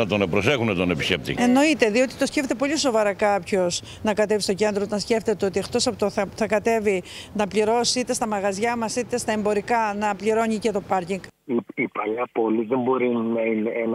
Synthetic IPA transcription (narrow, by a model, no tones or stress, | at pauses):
ɐt̪o̞nepɾose̞xunɐt̪onepi̥scep̚t̪ḭe̞no̞it̪e̞ðio̞t̪it̪o̞sce̞ft̪t̪e̞po̞ʎiso̞vɐɾɐkɐpço̞s | nɐkɐt̪evist̪o̞ce̞nd̪ɾoot̪ɐnsce̞ft̪e̞t̪eo̞t̪iext̪o̞sɐpt̪oθɐθɐkɐt̪e̞vinɐpʎiɾo̞siit̪e̞st̪ɐmɐɣɐzʝɐmɐsit̪e̞st̪ɐe̞mbo̞ɾikɐnɐpliɾo̞ɲice̞t̪o̞pɐɾciŋɡiipɐʎɐpo̞liðe̞mbo̞ɾinɐineen